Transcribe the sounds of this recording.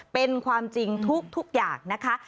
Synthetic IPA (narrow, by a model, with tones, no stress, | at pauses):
pe˧nkʰwaː˧mt͡ɕi˧ŋt̪ʰu˦˥k̚t̪ʰu˦˥k̚jaː˨˩ŋŋna˦˥kʰa˦˥